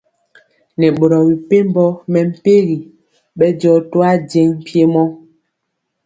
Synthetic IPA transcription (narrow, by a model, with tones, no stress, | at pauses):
nɛ˨ɓo˨ɾɔ˨bi˨pe˦m˦bɔ˦mɛ˨m̩˦˨pe˦ɣi˨ | ɓɛ˦d͡ʒɔ˦twa˦d͡ʒe˦ŋ̩˨pje˦mɔ˦